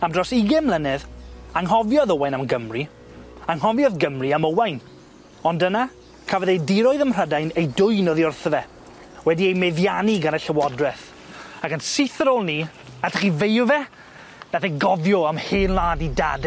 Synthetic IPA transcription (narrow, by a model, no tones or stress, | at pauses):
amdrɔsɪɡɪmlˠənɛðaŋɦɔvjɔðɔwajnamɡəmri | aŋɦɔvjɔðɡəmriaməwajn | ɔndəna | kʰavɛðejdɪɾɔɨðəmr̥ədajnejdʊɨnɔðiʊrθəvɛ | wɛdiejmɛðjaniɡanəɬəwɔdrɛθ | akənsɪθəɾoːlˠni | atʰəχivejʊvɛ | naθeɡɔvjɔamhɪːnlˠaːdida̰d